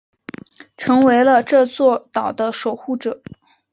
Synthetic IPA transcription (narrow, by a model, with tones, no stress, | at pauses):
ʈ͡ʂʰɤ˧˥ŋwe˧˥ɪlə˧ʈ͡ʂɤ˥˧t͡swɔ˥˩t̪ɑ˨˩ʊd̪ə˦ʂo˨˩ʊxu˥˩ʈ͡ʂɤ˨˩˦